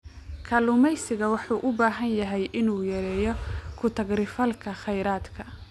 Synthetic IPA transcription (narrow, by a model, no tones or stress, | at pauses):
kʰɐlʊmɛjsɪɣɐwɑħuːʔʊbaːɦɐnjɐɦɛjʔɪnuːjɐɾɛːjɔkʰʊt̪ʰɐɡrɪfɐlkʰɐχɛjɾaːd̪kʰɐ